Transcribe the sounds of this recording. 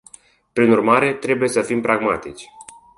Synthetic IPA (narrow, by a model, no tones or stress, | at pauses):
pɾinurmaɾe̞t̪ɾe̞buje̞səfimpɾaɡmat̪it͡ʃʲ